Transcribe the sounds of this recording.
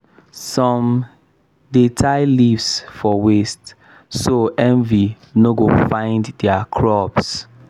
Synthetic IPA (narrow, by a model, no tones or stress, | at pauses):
sɔ̃m | detʰaɪlivsfɔwest | soʔɛ̃nvi | noɡofãɪ̃nddɛakʰɹɔps